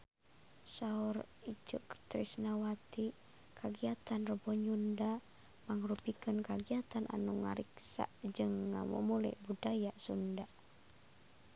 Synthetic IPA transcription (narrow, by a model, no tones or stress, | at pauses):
saɔr | id͡ʒə̰kt̪ɾisnawat̪i | kʰaɡiat̪anrəbɔɲunda | maŋɾupikənkaɡiat̪anʔa̰nuŋa̰ɾiksa̰d͡ʒɨŋːa̰mṵmulɛ̰ʔbudajasunda